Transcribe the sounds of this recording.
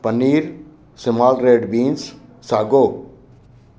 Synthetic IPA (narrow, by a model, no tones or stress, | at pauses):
pənːiːɾ | sɪmaːlɾeːɖbiːns | saːɡoː